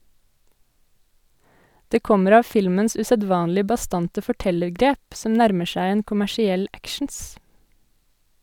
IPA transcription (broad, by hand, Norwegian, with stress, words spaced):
ˈdeː ˈkɔməɾ ˈɑː ˈfɪlməns ʔʉsəˈdʋɑːnlɪ bɑˈstɑntə fɔˈʈɛləɾˌɡɾeːp ˈsɔm ˈnæɾmə ˈʃæɪ ˈeːn kʊmæʃɪˈɛl ˈækʃɳ̩s